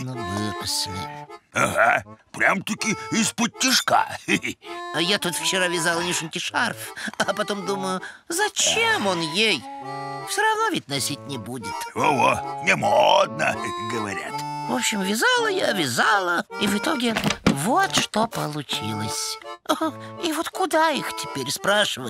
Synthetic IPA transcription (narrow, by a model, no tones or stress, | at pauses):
nuvɨpʊsnʲɪ̰aha̰pɾʲamt̪ukʲɪispʊt̪ʲːɪʂka̰ | ɐjat̪ut̪ft͡ɕɪɾavʲɪzalˠənʲɪʂʊnʲkʲɪʂarfɐpɐt̪omd̪uməjʊzɐt͡ɕemonjejfsʲoɾɐvnovʲɪt̚ʲnɐsʲit̚ʲnʲɪbudʲɪt̪oonʲɪmod̪nə̰ɡəvɐ̰ɾʲa̰t̪vopɕːɪmvʲɪzalˠəjavʲɪzalˠəivɨt̪o̞ɡʲɪvot̪ʂt̪opəlˠʊt͡ɕilˠəsʲ | ivot̪kʊd̪aixtʲɪ̥pʲeɾʲspɾaʂɨvə